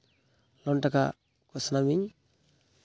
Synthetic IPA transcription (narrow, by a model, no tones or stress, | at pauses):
lontaka̰ | kusnamiɲ